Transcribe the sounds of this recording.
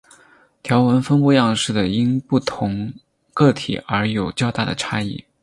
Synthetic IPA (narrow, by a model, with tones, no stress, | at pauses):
t̪ʰjɑ˧˥ʊwə˧˥nfə˥npu˥˧jɑ˥˧ŋʂɻ̩˥˩d̪ə˩i˥npu˥˩t̪ʰʊ˧˥ŋ | kɤ˥˩t̪ʰḭ˨˩ə˞˧˥jo˨˩ʊt͡ɕjɑ˥˧ʊt̪a˥˩d̪ə̰˩ʈ͡ʂʰa˥ḭ˥˩